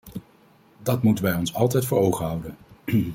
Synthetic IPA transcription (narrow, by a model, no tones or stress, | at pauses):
dɑtmutənʋɛjɔnsɑlˠtɛjtfʊːɹowχəɦʌwdən